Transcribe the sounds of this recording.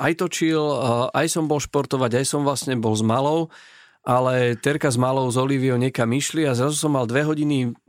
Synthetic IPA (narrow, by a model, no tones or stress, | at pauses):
ʔajt̪ɔt͡ʃilajsɔmbɔlʃpɔɾt̪ɔʋaɟajsɔmʋlasɲɛbɔlzmalɔʊ | ʔalɛt̪ɛɾkazmalɔʊzɔliʋiɔʊɲɛkamiʃliazɾazusɔmːald̪ʋɛɦɔɟini